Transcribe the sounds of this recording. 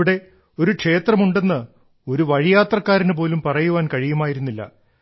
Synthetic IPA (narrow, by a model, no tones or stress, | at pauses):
iɽe̞ | o̞ɾukʂe̞ːt̪rɐmuɳɖe̞nːɨ | o̞ɾuʋɐɻijaːt̪rɐkːaːɾinɨp̬o̞ːlumpɐrɐjuʋaːnkɐɻijumaːjiɾunːilːɐ̰